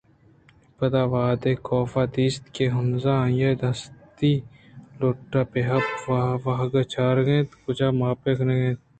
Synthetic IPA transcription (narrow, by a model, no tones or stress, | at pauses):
pɐd̪aːʋaːd̪eːkoːfaːd̪iːst̪keɦʊnzaːjed̪ɐst̪iː | loʈːaːpeɦɐpʋɐɦɐɡɐt͡ʃʰaːɾɡẽːt̪kʊt͡ʃaːmaːpeːkʰneɡẽːt̪̚